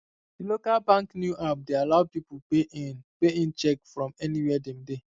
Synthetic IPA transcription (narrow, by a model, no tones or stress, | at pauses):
dilokalbãŋknjuʔap̚dealaʊpipuenpeĩnt͡ʃɛkfɹɔ̃mɛniwɛdɛmde